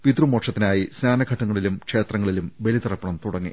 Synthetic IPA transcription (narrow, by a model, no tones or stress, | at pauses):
pid̪rumoːʈʂɐt̪ːinaːjisnaːnɐɡʱɐʈːɐŋːɐɭilumkʂe̞ːt̪rɐŋːɐɭilumʋelit̪irɐpːɐɳɐmt̪uɽɐŋːḭ